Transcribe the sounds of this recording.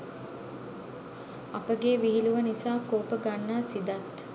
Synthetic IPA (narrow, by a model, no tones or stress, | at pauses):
apəɡeːʋiɦiluʋənisaːkoːpəɡanːaːsid̪at̪